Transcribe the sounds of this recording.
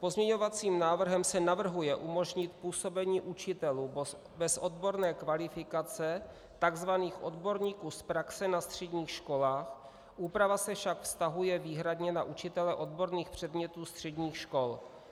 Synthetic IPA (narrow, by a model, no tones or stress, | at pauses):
po̞zmɲɛɲovat͡siːmnaːvr̩ɦɛmsɛnavr̩ɦujɛʔumo̞ʒɲɪt̪puːso̞bɛɲiːʔut͡ʃɪt̪ɛluː | bɛsʔod̪bo̞ɾnɛːkvalɪfɪkat͡sɛ | t̪aɡzvaniːxʔo̞d̪bo̞ɾɲiːkuːspɾaksɛnast̪r̝̥ɛdɲiːxʃko̞laːx | ʔuːpɾavasɛfʃakfst̪aɦujɛviːɦɾad̪ɲɛnaʔut͡ʃɪt̪ɛlɛʔo̞d̪bo̞ɾniːxpr̝̥ɛd̪mɲɛt̪uːst̪r̝̥ɛdɲiːxʃko̞l